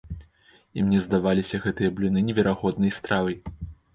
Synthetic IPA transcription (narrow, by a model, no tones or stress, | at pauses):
imnʲɛzd̪avalʲisʲɐɣɛt̪ɨjɐblʲinɨnʲɛvʲɛɾaɣɔd̪nɐjst̪ɾavɐj